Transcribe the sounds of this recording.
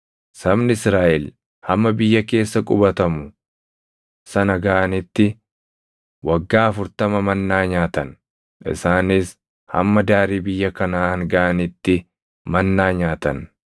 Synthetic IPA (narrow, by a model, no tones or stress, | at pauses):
sɐbnɪɪsɾaːʔɛl | hɐmːɐbɪjːɐke̞ːsːɐkʼʊbɐt̪ɐmʊ | sɐnɐɡɐʔɐnɪt̪ːɪ | wɐɡːaːɐfʊɾt̪ɐmɐmɐnːaːɲaːt̪ɐn | ɪ̰saːnɪs | hɐ̰mːɐd̪aːɾiːbɪjːɐkɐnaːhɐŋɡɐʔɐnɪt̪ːɪ | mɐnːaːɲaːt̪ɐn